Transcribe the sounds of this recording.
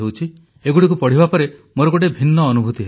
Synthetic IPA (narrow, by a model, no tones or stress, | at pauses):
ewt͡ʃʰi | eɡuɽik̬upɔɽ̤ibapɔɾemoɾɔɡoʈebʱinːɔːnubʱut̪iɦe